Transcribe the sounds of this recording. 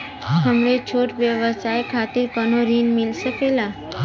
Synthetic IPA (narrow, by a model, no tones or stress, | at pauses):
ɦəmɽet͡ʃʰoʈʋjəʋəsajkʰat̪iɾkənoɾinmilsəkela